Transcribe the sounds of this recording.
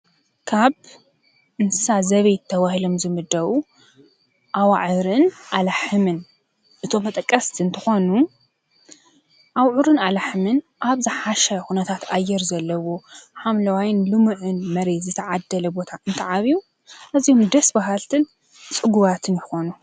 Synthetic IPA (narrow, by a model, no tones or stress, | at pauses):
kʰaβ | ɨnsazɐβɐjt̪ʰːɐβahilo̞mzɨmɨd̪ːɐβwu | ʔawaʕɨɾɨnʔalaħɨmɨn | ʔɨt̪ʰomːɐt̪ʼɐkʼːɐst̪ʰiɨnt̪ʰɨxo̞nu | ʔawʕuɾɨnalaħɨmɨn | ʔaβzɨħaʃɐxunɐt̪ʰat̪ajːɛɾzɐlːɐwo̞ħamlɐwajnlɨmɨʕɨnmɐɾezɨt̪ʰɐʕad̪ːɐlɐbo̞t̪ʰaʔɨnt̪ʰɐʕaβiju | ʔɐzihomd̪ɐsbaɦalt̪ʰɨn | t͡sʼɨɡuβat̪ʰɨnjɪxo̞nu